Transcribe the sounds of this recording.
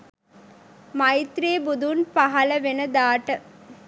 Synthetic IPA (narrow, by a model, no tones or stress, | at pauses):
mɐjit̪ɾeːbud̪ʱunpɐɦɐlɐʋenəd̪aːʈə